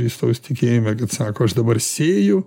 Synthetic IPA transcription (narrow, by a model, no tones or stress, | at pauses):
iːst̪ɐʊst̪ʲɪkʲeːjɪmʲɛkɐt̪sɑːkoːɐʃd̪ɐbɐrsʲeːjʊ